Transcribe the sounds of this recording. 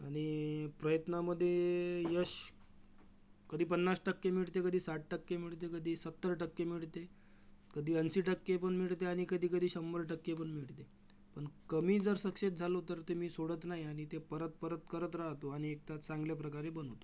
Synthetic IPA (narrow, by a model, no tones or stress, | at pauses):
aɽ̃ipɾəjət̪naməd̪ʱːjejəɕ | kəd̪ʱiːpənːasʈəkːemiɽt̪ekəd̪ʱiːsaʈ̚ʈəkːemiɭt̪̬ekəd̪ʱiːsət̪ːəɾʈəkːemiɭt̪e | kəd̪ʱiːənsiːʈəkːepəɳmiɭt̪eaɽ̃ikəd̪ʱiːkəd̪ʱiːɕəmbəɾʈəkːep̬əɳmiɭt̪e | pəɳkəmiːd͡zəɾsəkʂet̪̚d͡zʱalot̪əɾt̪emiːsoɽət̪naɦiaɽ̃it̪epəɾət̪̚pəɾət̪kəɾət̪ɾaɦt̪oaɽ̃iek̚t̪at͡sãŋɡljapɾəkaɾebən̤ot̪o